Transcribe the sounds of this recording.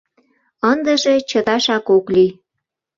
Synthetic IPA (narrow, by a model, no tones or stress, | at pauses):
ənd̪əʒet͡ɕət̪ɑʃɑkokli